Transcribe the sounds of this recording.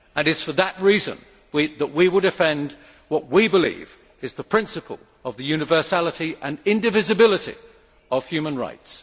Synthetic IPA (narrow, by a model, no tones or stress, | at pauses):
ə̃nɨtsfəðəʔ̚ɹizə̰̃n | wiðəʔwiwəlˠdɨfɛ̃nd | wʌʔ̚wibəlḭv | ɨzðəpʰɹ̥ɪ̃nsɨpʰə̰lˠ | əvðɨjʉnɨvɜ˞sælˠəɾiʔə̃nɪ̃ndɨvɪzɨbɪlˠəɾḭ | əv̥jʉmə̃nɹa̰ɪts